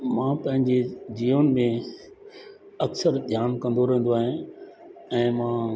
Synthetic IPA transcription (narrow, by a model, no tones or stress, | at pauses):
mãːpɐ̃ɦɪ̃ɲd͡ʑed͡ʑiːonɪ̆mẽ | ɐksəɾd̪ʱjaːnkɐ̃n̆d̪oɾɛɦə̃n̆d̪oaːɦẽ | ɛ̃ːmãː